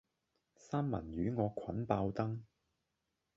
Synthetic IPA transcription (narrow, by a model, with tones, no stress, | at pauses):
saː˥mmɐ̰˨˩njyː˨˥ŋɔː˨˧kʷʰɐ˨˥npaː˧wt̪ɐ˥ŋ